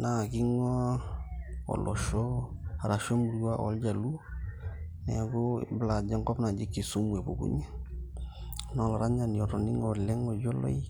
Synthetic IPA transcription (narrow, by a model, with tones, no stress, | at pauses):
na˨kɪ˦ŋɔ˦ | ɔ̰˨lʔɔ̰˨ʃɔ˦a˨ɾa˨ʃɔ˦mu˨ɾja˦ʔɔ̰˦ld͡ʒa˨lu˦ | nɛ̰˨ɡo˦bla˨d͡ʒa˦ŋkɔ˦bna˨d͡ʒɪ˦kːi˨su˦mu˨e˨bo˨kṵ˦ɲɛ˦ | nɔ˦la˨ɾa˦ɲa˨n˨ɔ˨tɔ˨ni˦ŋɔ˨lɛ˦ŋɔ˨d͡ʒɔ˦lɔ̰˦j